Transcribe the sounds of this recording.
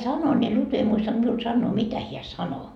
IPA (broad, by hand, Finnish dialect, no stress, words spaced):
sɑno ni lutʋi ei muistɑnt miul sɑnːoː mitæ hiæ sɑno